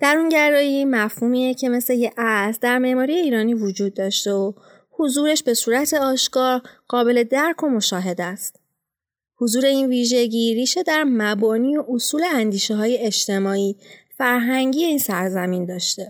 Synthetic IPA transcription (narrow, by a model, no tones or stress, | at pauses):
d̪̥æɾunɟæɾɒːjimæfhuːmiːecʰe̞me̞sle̞jeʔæsd̪æɾme̞ʔmɒːɾije̞iːɾɒːniːvod͡ʒuːd̪̚ːɒːʃt̪e̞o | hozuːɾe̞ʃbe̞suːɾæt̪ʰe̞ɒːʃkɒːɾɢ̥ɒːbe̞le̞d̪æɾkʰo̞mo̞ʃɒːɦe̞d̪æst̪ | hozuːɾe̞iːnviːʒe̞ɟiːɾiːʃe̞d̪æɾmæbɒːniːo̞ʔosuːleænd̪iːʃeɦɒːje̞et͡ʃt̪e̞mɒːiːfæɾɦæŋɟiːje̞iːnsæɾzæmiːnd̪ɒːʃt̪e̞